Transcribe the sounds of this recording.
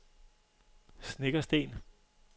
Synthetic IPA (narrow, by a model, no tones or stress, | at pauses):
sneɡ̥ɐsd̥e̝̰ːn